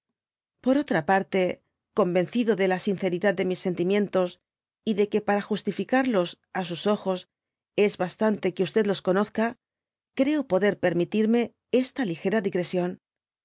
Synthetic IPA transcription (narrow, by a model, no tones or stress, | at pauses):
po̞ɾo̞t̪ɾapaɾt̪e̞ | ko̞mbe̞n̟θiðo̞ðe̞lasin̟θe̞ɾiðað̚d̪e̞misːe̞nt̪imjẽ̞nt̪o̞s | iðe̞ke̞paɾaxust̪ifikaɾlo̞s | as̬uso̞xo̞s | e̞zβast̪ant̪e̞keust̪e̞ðlo̞sko̞no̞θka | kɾe̞opo̞ðe̞ɾpe̞ɾmit̪iɾme̞ | e̞st̪alixe̞ɾaðiɣɾe̞sjo̞n